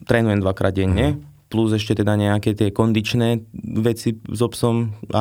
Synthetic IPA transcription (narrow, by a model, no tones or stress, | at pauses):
t̪ɾɛːnujɛmd̪ʋakɾa̰ːd̪̚ɟɛɲːɛ | pluzɛʃcɛt̪ɛd̪aɲɛakɛːt̪ɪɛkɔnd̪it͡ʃnɛːʋɛt͡sizɔpsɔma̰